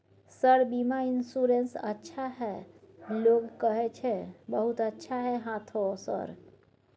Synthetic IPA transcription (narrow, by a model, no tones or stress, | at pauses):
səɾbimaɪnsuɾensə̰tːʃʰaɦɛ | loːɡkəɦɛt͡ʃʰebəɦut̪ətːʃʰaɦɛɦãːt̪ʰosə̰ɾ